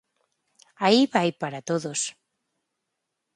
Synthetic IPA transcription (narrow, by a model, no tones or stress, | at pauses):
aiβajpaɾat̪oðos